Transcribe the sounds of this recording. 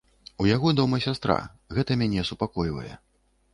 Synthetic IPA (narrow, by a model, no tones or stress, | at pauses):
ujaɣɔd̪ɔmɐsʲast̪ɾa̰ | ɣɛt̪ɐmʲanʲɛsupakɔjvɐ̰jɛ̰